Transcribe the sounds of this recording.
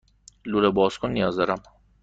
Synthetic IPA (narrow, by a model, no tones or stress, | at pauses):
luɾɐbɔːskʰʊnːijɔːzd̪ɐɾɐm